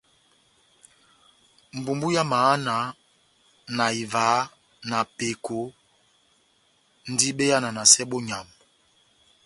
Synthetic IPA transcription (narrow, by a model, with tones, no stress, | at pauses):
m̩˨bu˨mbu˦ja˦maː˨˦na˨˦ | na˨i˨va˨˦ | na˨pe˨kʰo˨˦ | n̩˦di˦ɓe˦ja˦na˨na˨sɛ˦ɓo˦ɲa˨m